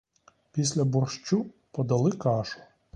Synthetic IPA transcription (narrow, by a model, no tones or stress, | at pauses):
pʲisʲlʲɐbɔrʃt͡ʃu | pɔd̪ɐlˠɪkɑʃʊ̥